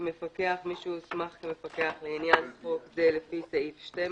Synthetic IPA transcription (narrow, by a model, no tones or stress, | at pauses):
mefakeaχmiʃusmaχkemefakeaχleinjansχokzelefisaifʃte